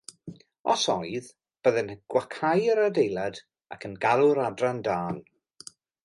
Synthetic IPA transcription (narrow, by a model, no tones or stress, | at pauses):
ɔ̰sɔɨð | b̥əðɛnəɡ̥wakʰajəɾadejlˠad | a̰kʰənɡalˠʊɾadrandaːn